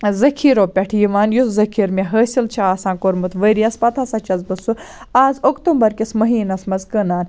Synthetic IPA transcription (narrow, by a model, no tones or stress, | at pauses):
zɐkʰiːɾoːpʲɐʈʰijiʋaːnjuzɐkʰiːɾmeɦəːsilt͡ʃʰaaːsãːkoɾmɨt̪ʰʋəːɾiɐspɐt̪ʰasɐt͡ʃɐzbɨsuaːzokt̪umbɐɾkismɐɦiːnɐsmɐzkəːnaːn